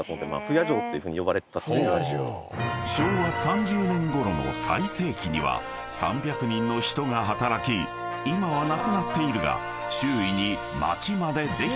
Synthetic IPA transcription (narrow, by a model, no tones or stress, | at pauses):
t̪od̪ema̰ːɸɯ̟jaʑo̞ːt̪ːejiɯ̟ɸɯ̟ːɲijo̞baɾet̪t̪a | ɕoːβasãɲ̟d͡ʑɨːmɯ̃ŋɡo̞ɾo̞no̞̰sa̰ise̞ːkʲiɲ̟ḭβa̰ | sã̰mbʲjakɯ̟ɲ̟ĩnːo̞çi̥t̪o̞ŋaɦat̪aɾakʲi | imaβanakɯ̟nat̪ːe̞iɾɯ̟ɡa̰ | ɕɨːiɲ̟i | ma̰t͡ɕimad̪e̞d̪e̞